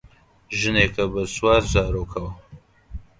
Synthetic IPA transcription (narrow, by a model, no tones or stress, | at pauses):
ʒɨneːkʰɐbɐswaːɾzaːɾoːkʰɐwɐ